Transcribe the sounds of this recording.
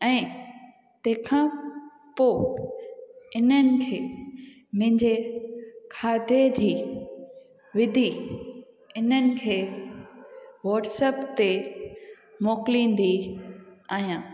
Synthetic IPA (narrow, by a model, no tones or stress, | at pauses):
ɛ̃ː | t̪ẽːkʰãː | poː | ɪnənɪ̆kʰeː | m̃ɦɪ̃ɲd͡ʑe | kʰaːd̪ʱed͡ʑiː | ʋɪd̪ʱi | ɪnənɪ̆kʰeː | ʋɔːɾʈsəpt̪e | moːklĩːn̆d̪i | aːɦijãː